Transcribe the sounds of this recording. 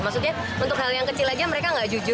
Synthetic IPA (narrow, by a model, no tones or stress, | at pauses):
maksuk̚ɲa | unt̪ʊk̚ɦaljaŋkət͡ʃɪlad͡ʒaməɾekaŋɡaʔd͡ʒud͡ʒʊ